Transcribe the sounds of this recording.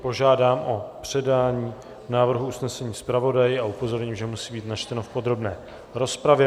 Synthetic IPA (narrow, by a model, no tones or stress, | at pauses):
po̞ʒaːdaːmʔo̞pr̝̥ɛdaːɲiː | naːvr̩ɦuusnɛsɛɲiːspɾavo̞dajɪaupo̞zo̞ɾɲiːmʒɛmusiːbiːt̪nat͡ʃt̪ɛno̞fpo̞d̪ɾo̞bnɛː | ɾo̞spɾavjɛ